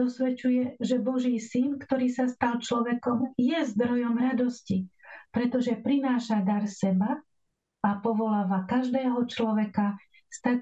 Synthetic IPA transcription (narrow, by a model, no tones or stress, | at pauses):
ɔsʋɛt͡ʃujɛʒɛbɔʒiːsinkt̪ɔɾiːsast̪alt͡ʃlɔʋɛkɔmjɛzd̪ɾɔjɔmɾad̪ɔscipɾɛt̪ɔʒɛpɾinaːʃad̪aɾsɛba | apɔʋɔlaːʋakaʒd̪ɛːɦɔt͡ʃlɔʋɛka | st̪a